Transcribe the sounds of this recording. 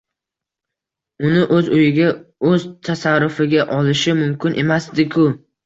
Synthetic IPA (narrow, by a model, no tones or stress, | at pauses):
ʊnɪʔɵzʊjɪɡʲaɵzt̪ʰasaɾːʊfɪɡʲaʔɒlɪʃɪmʊmkʲɪnʔe̞masd̪ɪkʰʊ